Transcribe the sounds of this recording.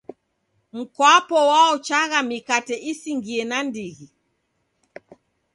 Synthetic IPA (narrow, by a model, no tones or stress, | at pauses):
m̩kwapɔwaɔt͡ʃaɣamikatɛʔisiŋɡiɛnandiɣi